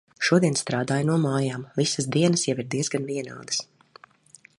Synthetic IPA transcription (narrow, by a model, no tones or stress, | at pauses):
ʃuɔd̪iɛnst̪ɾaːd̪aːjnuɔmaːjaːmvisəsd̪iɛnɐsjawiɾd̪iɛzɡanviɛna̰ːd̪ə̥s